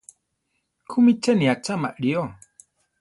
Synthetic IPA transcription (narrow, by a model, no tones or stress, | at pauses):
kʰumit͡ʃeniat͡ʃamaʔɾio